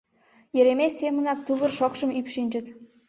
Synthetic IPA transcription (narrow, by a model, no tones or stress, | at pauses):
jĕɾemesʲːemə̆nɑk̚t̪uβə̆rʃokʃə̆mypʃinʲd͡ʑə̆t̪